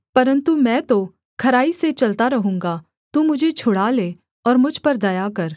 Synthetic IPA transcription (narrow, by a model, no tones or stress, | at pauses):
pɐɾə̃nt̪umɛ̃ːt̪o | kʰɐɾaːiset͡ʃɐlt̪aɾɐɦũːŋɡa | t̪umʊd͡ʒʱet͡ʃʰʊɽaleː | ɔːɾmʊd͡ʒʱpɐɾd̪ɐjakɐɾ